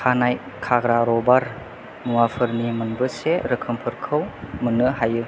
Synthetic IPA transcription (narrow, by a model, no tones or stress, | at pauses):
kʰanaj | kʰaɡɾaɾɔbaɾ | muwapʰɯɾnimɯnbɯseɾəkʰəmpʰɯɾkʰɯwmənɯɦajɯ